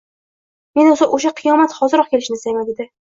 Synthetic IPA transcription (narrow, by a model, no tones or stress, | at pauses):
me̞nosaʔoʃ̬aqʰɨjɒmat̪χɒzɪɾɒq̚kʲʰelɪʃnɪsajmaned̪ɪ